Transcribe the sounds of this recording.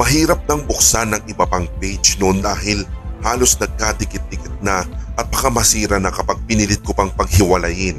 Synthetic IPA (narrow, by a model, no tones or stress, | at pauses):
mɐɦiːɾɐp̚nɐŋbʊk̚sanɐŋɪbɐpaŋpɛjt͡ʃnʊʔond̪aːɦɪlhaːlo̞snɐɡ̚kaːt̪ɪkɪt̪̚ːɪkɪt̪̚nɐʔɐt̪̚pɐkamɐsiːɾɐnɐkɐpaɡ̚pɪnilɪt̪̚kopɐŋpɐɡ̚hɪwɐlɐjɪn